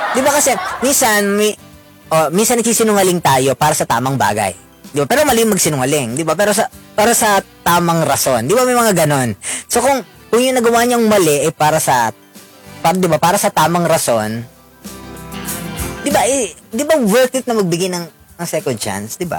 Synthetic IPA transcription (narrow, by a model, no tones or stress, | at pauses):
d̪ɪbakɐsɛminsɐnmɛ | ʔomiːnsɐnɐɡ̚siːsɪnʊŋɐlɪŋt̪aːjo̞paːɾɐsɐt̪a̰ːmɐŋba̰ːɡɐ̰j | d̪ɪbapɛːɾomɐlɛjʊŋmɐɡsɪnʊŋɐlɪŋd̪ɪbapɛːɾo̞sɐpaːɾɐsɐt̪aːmɐŋɾɐso̞nd̪ɪbamɐjmɐŋaɡɐno̞nso̞kʊŋ | kʊŋjʊŋnɐɡɐwaːɲɐŋmɐlɛʔɐjpaːɾɐsɐ | pad̪ɪbapaːɾɐsɐt̪aːmɐŋɾɐso̞n | d̪ɪbaʔɛd̪ɪbawɛɹkɪt̪̚nɐmɐɡ̚bɪɡɪnɐŋ | ɐŋsɛkont͡ʃa̰nsd̪ɪba̰